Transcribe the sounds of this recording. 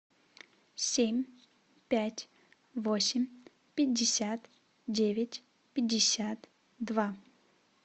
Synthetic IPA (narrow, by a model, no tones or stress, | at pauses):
sʲemʲ | pʲætʲ | vosʲɪmʲ | pʲɪdʲːɪsʲat̪ | dʲevʲɪtʲ | pʲɪdʲːɪsʲat̪ | d̪va